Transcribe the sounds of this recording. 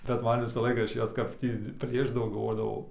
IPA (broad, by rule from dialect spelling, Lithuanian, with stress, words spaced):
bʲɛt ˈmɐn ˈʋʲɪsɐ ˈlˠɐɪkɐ ˈɐʃ ˈjɛs kɐp ˈtʲiː ˈpʲlʲeːʒdɐʋɐʊ ɡɐlˠˈʋoːdɐʋɐʊ